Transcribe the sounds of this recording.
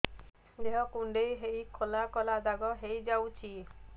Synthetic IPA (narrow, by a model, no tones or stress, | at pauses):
deɦɔkuɳɖejɦejkʰolakɔlad̪aɡɔɦejd͡ʒawt͡ʃʰi